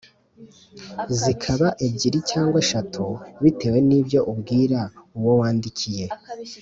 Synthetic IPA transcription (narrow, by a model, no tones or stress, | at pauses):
zikʰaβaʔebɟiɾicaːŋɡwaʃatʰuβite̞ːwe̞nibjo̞ʔubɡiːɾauwo̞waːndicʰije̞